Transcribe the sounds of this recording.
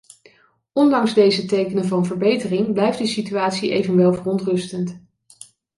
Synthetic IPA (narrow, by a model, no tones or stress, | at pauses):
ʔɔndɑŋzdejzətejkənənvɑnvəɹbejtərɪŋblɛjft̚dəsityaːtsiʔejvənʋɛlˠvərɔntrɵstənt